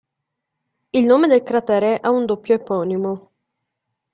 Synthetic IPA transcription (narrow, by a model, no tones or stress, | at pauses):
ilnoːmed̪elkɾat̪ɛːɾeʔaund̪opːjoepɔːnimo